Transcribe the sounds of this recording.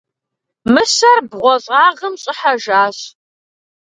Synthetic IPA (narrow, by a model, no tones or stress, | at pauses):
mɨsɐrbʁʷɔɕʼɑːʁəmɕʼɪħaʒaːɕ